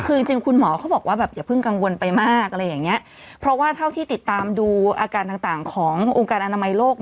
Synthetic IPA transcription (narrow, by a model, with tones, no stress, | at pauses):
kʰɯː˧t͡ɕi˧ŋt͡ɕi˧ŋkʰu˧nmɔː˩˦kʰa˦˥wbɔː˨˩k̚waː˥˩bɛː˨˩p̚jaː˨˩pʰɯ˥˩ŋka˧ŋwo˧npa˧jmaː˥˩k̚ɾa˧jːaː˨˩ŋːni˦˥ɐʔ | pʰɾɔ˦˥waː˥˩t̪ʰa˥˩wt̪ʰiː˥˩t̪i˨˩t̪ːaː˧mduː˧ʔa̰ː˧kaː˧nt̪aː˨˩ŋt̪aː˨˩ŋkʰɔː˩˦ŋʔo˧ŋkaː˧nʔa˧na˧ma˧jloː˥˩k̚